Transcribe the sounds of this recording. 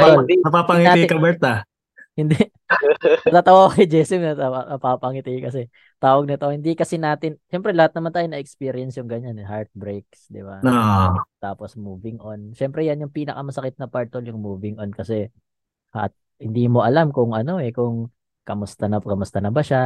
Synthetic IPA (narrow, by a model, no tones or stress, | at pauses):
olɪnɐpapɐŋɪaikɐbɛt̪ɐ | hɪnd̪ɛ | ɐt̪aːt̪ɐwakɐjd͡ʒɛsɪmnɐɐɐpapɐŋɪt̪ɪjkɐs̬ɛ | t̪aːwɐɡ̚nɪt̪o̞hɪnd̪ikɐsɛnaːt̪ɪnʃɛmpɾɛlɐhat̪̚nɐmant̪aːjonɐʔɛkspiːɾɪjɛnsjʊŋɡɐɲanɛɦaɹt̪̚bɾejk̚sd̪ɪbaot̪aːposmuːvɪŋʔonʃɛmpɾɛjɐnjʊŋpiːnɐkɐmɐsɐkɪt̪̚nɐpaɹt̪oljʊŋmuːvɪŋʔonkɐsɛ | ʔt̪̚ | hɪnd̪iːmo̞ʔɐlamkʊŋɐno̞ɛkʊŋ | kɐmʊst̪ɐnɐkɐmʊst̪ɐnɐbɐʃa